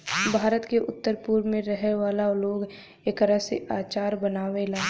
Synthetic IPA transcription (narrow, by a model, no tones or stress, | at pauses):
bʱaːɾət̪keʔʊt̪ːəɾpuːɾmẽɾəɦeʋaːlaloːɡ | eːkəɾaseaːt͡ʃaːɾbənaːʋelaː